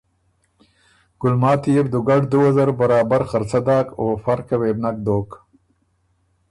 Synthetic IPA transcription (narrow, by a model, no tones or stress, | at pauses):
ɡ̥ʊlmɑːt̪ijeɾd̪ʊɡaɖd̪uwazɐɾbaɾɑːbaɾxaɾt͡sad̪ɑːkoːfaɾkaweːbnak̚d̪oːk